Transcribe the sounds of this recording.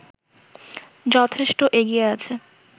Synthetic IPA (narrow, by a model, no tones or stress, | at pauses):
d͡ʑɔt̪ʰeʃʈoʔeɡieat͡ɕʰe